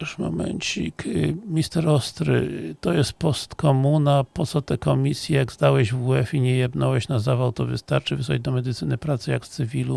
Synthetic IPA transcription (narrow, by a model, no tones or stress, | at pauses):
ʐmɔ̰mɛ̰nt͡ɕikmʲist̪ɛɾɔst̪ɾɘ̰t̪ɔjɛst̪̚pɔst̪kʰɔmunapɔt̪sɔt̪ɛkɔmʲisʲjɛjaɡzd̪awɛʑvuɛfiɲɛjɛbnɔwɛɕnazavawt̪ɔvɘst̪aɾt͡ʂɘvɘswa̰d͡ʑd̪ɔmɛd̪ɘt̪sɘnɘpɾat̪sɛja̰kst̪sɘvʲilu